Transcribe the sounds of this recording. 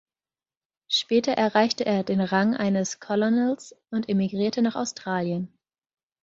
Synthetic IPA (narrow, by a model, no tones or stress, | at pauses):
ʃpɛːtɐʔɛɐʁaɪçtəʔeːɐdeːnʁaŋʔa̰ɪnəskʰɔlonɛlsʊntʔemiɡʁiːɐtənaːχa̰ʊstʁ̥aːljən